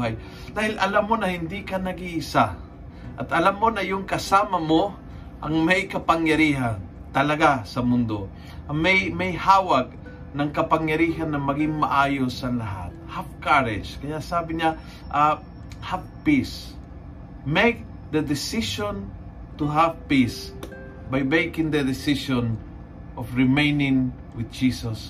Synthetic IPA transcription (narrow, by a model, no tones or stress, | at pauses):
aj | d̪̥aːhɪlʔɐlamːonɐhɪnd̪ikanɐɡiʔɪsa | ʔɐt̪ɐlamːonɐjʊŋkɐsaːmamo | ʔɐŋmɐjkɐpaŋjɐɾiːɦan | t̪ɐlɐɡasɐmʊnd̪o | ʔmɛjmɐjhaːwaɡ̚ | nɐŋkɐpaŋjɐɾiːɦanːɐmɐɡɪŋmaʔaːjosɐlaɦa̰t̪̚havkaɾɪd͡ʒkɐjasaːbɪɲa | ʔa | havpis | mejk̚ | d̪əd̪ɪsɪʃõn | t̪uɦavpis | bajmejkɪ̃ŋd̪ɐd̪ɪsɪʃɔn | ʔɔfɹɪmejnɪ̃ŋ | wɪd̪̚d͡ʒiːsɐs